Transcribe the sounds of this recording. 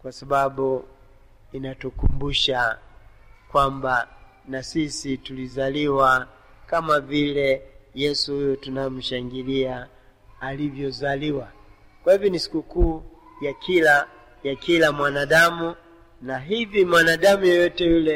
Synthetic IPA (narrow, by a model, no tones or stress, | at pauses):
kwasaɓaɓu | inatukumbuʃa | kwamba | nasisitulizaliwa | kamavilɛjɛsuhujɔtunajɔm̩ʃaŋɡiliaː | livjɔzaliwa | kwahivjɔnisi̥kukuː | jakʰila | jakilamwanaɗamu | naɦivimwanaɗamujɔjɔtɛjulɛ